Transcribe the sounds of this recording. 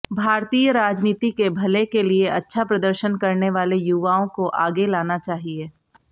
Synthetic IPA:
bʱaːɾt̪iːjəɾaːd͡ʒniːt̪ikebʱɐlekelieʔɐtːʃʰapɾɐd̪əɾʃənkɐɾneʋaːlejuʋaːõkoʔaːɡelaːnat͡ʃaːɦieː

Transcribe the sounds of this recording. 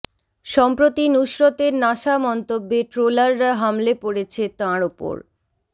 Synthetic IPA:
ʃɔmpɾot̪inuʃɾot̪eɾnaʃamɔnt̪obːeʈɾolaɾːaɦamlepoɽet͡ɕʰet̪ãɾopo̰ɾ

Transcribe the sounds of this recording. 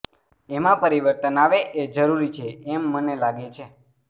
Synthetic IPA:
emãpəɾiʋəɾt̪ənaʋeʔed͡ʒəɾuɾit͡ʃʰeːmːənelaɡet͡ʃʰe

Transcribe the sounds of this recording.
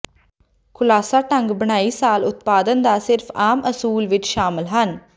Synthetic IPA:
kʰʊlaːsaːʈəŋɡbəɽ̃aːiːsaːlʊt̪̚paːd̪ənd̪aːsɪɾfʰaːmʔəsuːlʋɪt͡ʃʃaːmɪlɦən

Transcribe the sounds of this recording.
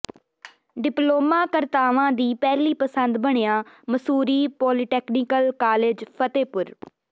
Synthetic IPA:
ɖɪploːmaːkəɾt̪aːʋãːd̪iːpɛːliːpəsənd̪bəɳ̃ejãːməsuːɾiːpɔːlɪʈɛːkniːkəlkaːleːd͡ʒpʰət̪eːpʊɾ

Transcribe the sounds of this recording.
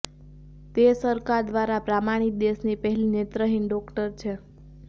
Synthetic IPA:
t̪esəɾkaɾd̪ʋaɾapɾamaɽ̃id̪esnipəɦɛlinet̪ɾəɦinɖɔkʈəɾt͡ʃʰe

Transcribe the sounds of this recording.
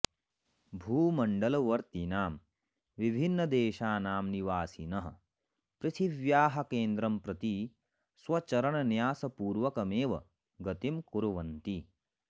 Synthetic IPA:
bʱuːmɐɳɖɐlɐʋɐɾt̪inaːm | ʋibʱinːɐd̪eːʃaːnaːmniʋaːsinɐɦɐ̰̆ | pɾɪt̪ʰiʋjaːɦɐkeːnd̪ɾɐmpɾɐt̪i | swɐt͡ʃɐɾɐɳɐnjaːsɐpuːɾʋɐkɐmeːʋɐ̰ | ɡɐt̪imkuɾɐʋɐnt̪i

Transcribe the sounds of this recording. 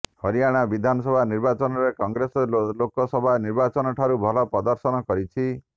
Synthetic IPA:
hɔɾijaɽ̃abid̪ʱanɔsɔbʱaniɾbat͡ʃɔnɔɾekɔŋɡɾesɔlokɔsɔbʱaniɾbat͡ʃɔnɔʈʰaɾubʱɔlɔpɾɔd̪ɔɾsɔnɔkɔɾit͡ʃʰi

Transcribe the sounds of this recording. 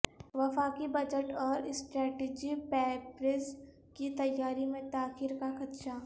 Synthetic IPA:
ʋɐfaːkibɐd͡ʒəʈɔːɾɪsʈɾɛːʈeːd͡ʒipɛːpɾes | kit̪ɐjːaːɾimẽt̪aːxiɾkakɐt̪ʃaː

